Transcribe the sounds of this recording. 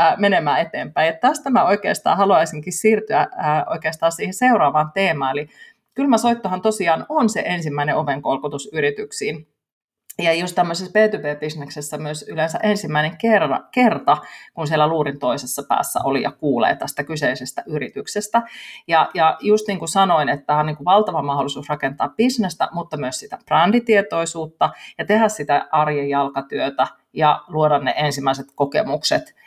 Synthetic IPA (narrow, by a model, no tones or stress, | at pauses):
menemæːet̪eːmpæijɑt̪t̪æst̪æmæoikḛːst̪ɑ̰ːhɑluɑisiŋkissiːrt̪yæəːo̰ikeːst̪ɑːsiːheseuɾɑːʋɑːnt̪eːmɑːeli | kylmæsoit̪ːohɑnt̪osiɑːnonseʔensimːæineoʋeŋkolkut̪usyɾit̪yksiːn | jɑjost̪æmːøsespeːt̪ypeːb̥isneksesːæmyøsylensæʔensimːæineŋkerɑ̰kert̪ɑkunsielæluːɾint̪oisesːɑpæ̰ːsːæ̰ʔolijɑ̰kuːlḛːt̪æst̪ækyseisest̪æʔyɾit̪yksest̪æjɑjɑjust̪niːŋkusɑnoinet̪ːææoniːŋkuʋɑlt̪ɑʋɑmɑholːˑisuːsrɑkent̪ɑ̰ːpb̥isnest̪æ̰mut̪ːɑmyøssit̪æprɑndit̪iet̪oisuːt̪ːɑjɑt̪ehæssit̪æʔɑrjejɑlkɑt̪yøt̪æ | jɑluoɾɑnnḛʔensimːˑæiset̪kokḛmukset̪